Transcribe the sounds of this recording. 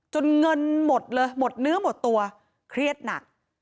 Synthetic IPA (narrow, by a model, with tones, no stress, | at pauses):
t͡ɕo˧nŋɤ˧nmo˨˩t̪̚lɤː˧jmo˨˩t̪̚nɯ˦˥ɐmo˨˩t̪ːu˧ɐ | kʰɾi˥˩ət̪̚na˨˩k̚